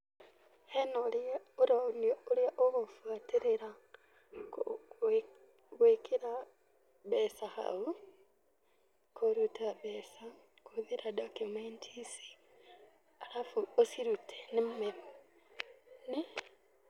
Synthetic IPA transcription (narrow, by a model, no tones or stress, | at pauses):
henoluɾonoliaʔoβofwatiɾeɾa | k | ɣwikiɾa | βesaxa̰u | kʰoɾutaβesa | kuðiɾadokjumentʰisi̥ | alafuosiɾutʰenimumeβo | ne